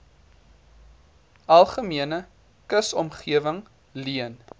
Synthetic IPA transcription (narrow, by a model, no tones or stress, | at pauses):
ɐlˠχəmiənə | kəsɔmχiəvəŋ | liən